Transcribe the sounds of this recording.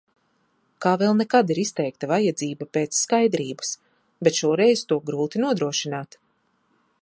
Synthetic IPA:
kaːvɛlˠnɛkad̪iɾist̪ɛjk̚t̪avajad̪ziːbapeːt̪sːkajd̪ɾiːbḁs | bɛt̪ʃuɔɾɛjzt̪uɔɡɾuːt̪inuɔd̪ɾuɔʃinaːt̪

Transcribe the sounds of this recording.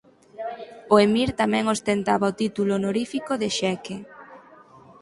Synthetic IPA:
oemiɾt̪amɛ̃ŋost̪ent̪aβɐot̪it̪ulʊnoɾifikoðeʃɛke

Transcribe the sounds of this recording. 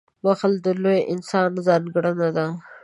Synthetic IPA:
waxəld̪əlojʔɪnsɑnzɑnɡɽənad̪a

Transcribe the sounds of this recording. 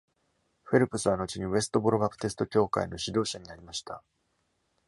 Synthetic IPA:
ɸe̞ɾɯ̟pɯ̟sɨβ̞ano̞t͡ɕiɲ̟iβe̞sɨ̥t̪o̞bo̞ɾobapɯ̥t̪esɨ̥t̪o̞kʲo̞ːka̰ino̞ɕid̪o̞ːɕaɲ̟iaɾʲimaɕi̥t̪a

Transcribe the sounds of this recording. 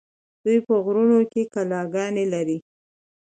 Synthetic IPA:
d̪̥ujpəɣɾunokekalɑɡɑnelaɾi

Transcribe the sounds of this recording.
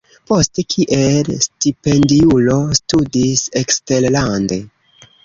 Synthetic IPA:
po̞stekʰiʔelstipe̞ndiulo̞studise̞kste̞ɾlande̞

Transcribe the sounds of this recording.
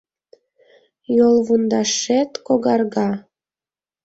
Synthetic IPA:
jolˠβund̪ɑʃet̪koɡɑrɡɑ

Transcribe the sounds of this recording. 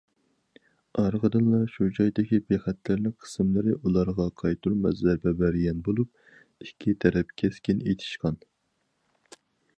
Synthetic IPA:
ɑɾʁəd̪ɨnlˠɑʃud͡ʒɑjd̪ɪkʲibeχæt̪ʰlɪɾnɪŋqʰə̥sɨmlˠɨɾɪʔulˠɑɾʁɑqʰɑjt̪ʰuɾmɛzæɾbɛbæɾjɛnbolˠup̚ | ikʲʰːit̪ʰɛɾɛp̚kʲʰɛskʲinejt̪ʰɪ̥ʃqɑn

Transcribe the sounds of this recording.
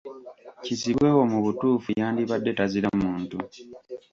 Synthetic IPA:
ciziβwe̞wo̞muβutuːfujaːndiβadːe̞taziɾamuːntu

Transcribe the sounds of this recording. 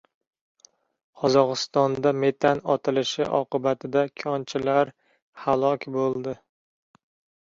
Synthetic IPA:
qʰɒzɒʁɨst̪ɒnd̪ame̞t̪ʰanɒt̪ʰɪlɪʃɪʔɒ̰qɨbat̪ʰɪd̪akʲʰɒnt͡ʃʰɪlaɾ | halˠɒkʲbolˠd̪ɪ

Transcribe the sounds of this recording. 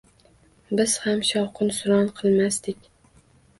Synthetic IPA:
bɪz̥hamʃɒwqʰɨnsʊɾɒnqʰɨlˠmast̪ɪkʲ

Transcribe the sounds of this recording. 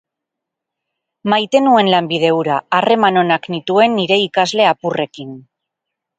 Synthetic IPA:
majt̪e̞nue̞nlambið̞e̞uɾaare̞mano̞naknit̪ue̞nːiɾe̞ikazle̞apure̞kin

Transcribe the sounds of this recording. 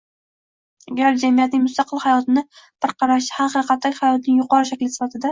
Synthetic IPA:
aɡʲaɾd͡ʒamijat̪nɪŋmʊst̪ɑqʰɨlˠhajɒt̪ʰɪnɪb̥ɪɾqʰɑɾaʃɪhaqɨɾqʰɑt̪ːakʲhajɒt̪nɪŋjʊqɒɾɪʃ̬akʲlɪsɪ̥fat̪ʰɪd̪a

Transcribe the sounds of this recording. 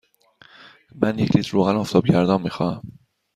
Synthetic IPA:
mænjecʰliːt̪ʰɾoːɣænɒft̪ɒːb̚ɟæɾd̪ɒːnmiːxɒːæm

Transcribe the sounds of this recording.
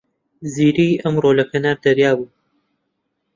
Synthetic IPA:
ziːɾiːʔɐmrolɐkʰɐnaːɾd̪ɐɾjaːbuː

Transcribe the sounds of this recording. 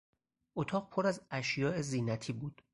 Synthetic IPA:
ot̪ʰɒːʁpʰoɾæzæʃjɒːe̞ziːnæt̪ʰiːbuːd̪̥

